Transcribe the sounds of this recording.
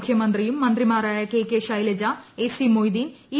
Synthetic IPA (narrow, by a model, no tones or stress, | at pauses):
kʰjɐmɐnd̪rijumːɐnd̪rimaːɾaːjɐkeːkːeːʂɐjlɐd͡ʑaesimojd̪ini